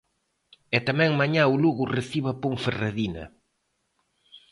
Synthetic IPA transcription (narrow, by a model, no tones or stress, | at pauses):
ɛt̪amɛ̃ŋmaɲaʊluɣʊreθiβapoŋferaðinɐ̰